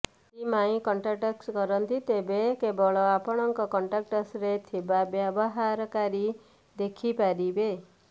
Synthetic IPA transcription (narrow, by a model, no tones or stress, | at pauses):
imaĩkɔɳʈɾaʈakskɔɾɔnt̪it̪ebekebɔɭɔapɔɽ̃ɔŋkɔkɔɳʈɾak̚ʈɔsɾet̪ʰibabjabɔɦaɾɔkaɾi | d̪ekʰipaɾibe